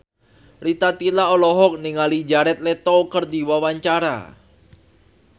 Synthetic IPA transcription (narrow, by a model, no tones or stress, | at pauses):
rit̪at̪ilaɔlɔɦɔk̚niŋalid͡ʒaɾɛt̪̚lɛt̪ɔkərd̪iwawaɲt͡ʃaɾa̰